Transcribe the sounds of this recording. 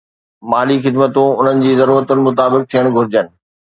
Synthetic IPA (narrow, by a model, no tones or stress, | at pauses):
maːlixɪd̪mət̪ũʊn̤ənɪ̆d͡ʑiːzɐɾuːɾət̪ʊnɪ̆mʊt̪aːbɪk̚t̪ʰijəɽ̃ɡʱʊɾɪd͡ʑənɪ̆